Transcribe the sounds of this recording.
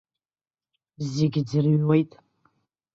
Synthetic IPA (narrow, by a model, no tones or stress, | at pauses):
zɪɡʲd͡zɨrɥwejtʼ